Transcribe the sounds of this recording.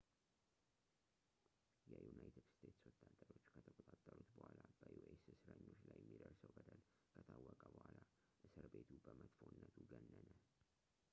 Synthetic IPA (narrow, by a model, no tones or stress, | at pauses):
jɛjunajt̪ʰɨd̪st̪ʰe̞t̪swɔt̪ʰʼːat̪ʼːəɾo̞t͡ʃːkʰət̪ʰək̪ʼət̪ʼat̪ʼːəɾut̪bəhʷalabəjuʔessɨɾəɲːo̞t͡ʃːlajɛmːid̪əɾsəwbəd̪əl | kʰət̪ʰawːəkʼəbəhala | ʔɨsɨɾbe̞t̪ʰubəmət̪fonːət̪ʰuɡənːənə